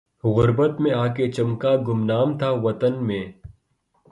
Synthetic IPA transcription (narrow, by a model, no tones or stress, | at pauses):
ɣʊɾbət̪mẽaːket͡ʃɐmkaɡʊmnaːmt̪ʰaːʋɐt̪ənmẽː